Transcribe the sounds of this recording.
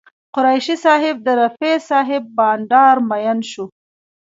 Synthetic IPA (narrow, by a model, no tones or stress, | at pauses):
qʊɾajʃisɑɦɪb̚d̪əɾafesɑɦɪbːɑnɖɑɾmajanʃu